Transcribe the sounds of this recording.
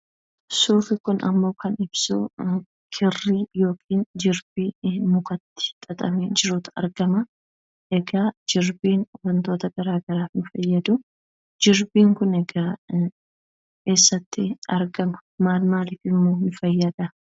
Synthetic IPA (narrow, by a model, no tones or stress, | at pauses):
suːfɪkʊnʔɐ̰mːo̞ːkɐnɪb̥su | kʰɪrːiːjo̞ːkʰiːnd͡ʒɪɾbimʊkɐt̪ːɪ̥t̪ʼɐt̪ʼɐ̰mɛnd͡ʒɪɾuːt̪ɐ̰ɾɡɐmɐ | ʔɛɡaːd͡ʒɪɾbiːnɔɾɐnt̪o̞ːt̪ɐɡɐɾaːɡɐɾaːfnɪfɐjːɐd̪ʊ | d͡ʒɪɾbiːŋkʊnɛɡaː | ke̞ːsːɐt̪ːɪɐɾɡɐmɐ̥maːlmaːlɪfɪmːoːmɪfɐjːɐd̪ɐ